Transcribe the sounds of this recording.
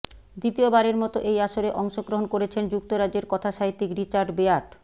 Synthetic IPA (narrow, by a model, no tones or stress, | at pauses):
d̪it̪iobaɾeɾmɔt̪oʔejaʃoɾeʔɔŋʃoɡɾoɦonkoɾet͡ɕʰend͡ʑuk̚t̪oɾad͡ʑeɾkɔt̪ʰaʃaɦit̪ːikɾit͡ɕaɾɖbeaɾʈ